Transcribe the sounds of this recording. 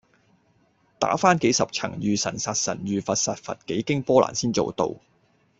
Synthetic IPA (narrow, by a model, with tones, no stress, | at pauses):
t̪a̰ː˨˥faː˥nke˨˥jsɐ˨p̚t͡sʰɐ̰˨˩ŋjyː˨sɐ˨˩nsaː˨t̚sɐ̰˨˩nɥyː˨fɐ˨t̚saː˨t̚fɐ̰˨t̚ke˨˥jkɪ˥ŋpɔː˥la̰ː˨˩nsiː˥nt͡so˨wt̪o̰˨w